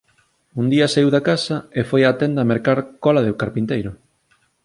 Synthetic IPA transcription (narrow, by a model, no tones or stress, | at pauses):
und̪iɐsaiwðakasɐefojat̪ɛnd̪aːmeɾkaɾkɔlaðɪkaɾpint̪ejɾʊ